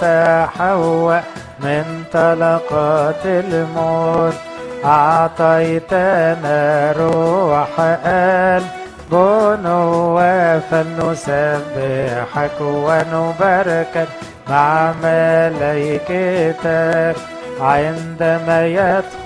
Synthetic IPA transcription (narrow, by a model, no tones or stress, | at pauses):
t̪aħawa | mɪnt̪ˤɑlɑqɑːt̪ɪlmoːt̪ | ʔɑʕt̪ˤɑjt̪ænaɾuħaʔæl | bʊnʊwæfalːʊsabːɪħakwanʊbaɾˤɑka | maʕmælæjkɪt̪a | ʕɪnd̪amæjat̪ˤ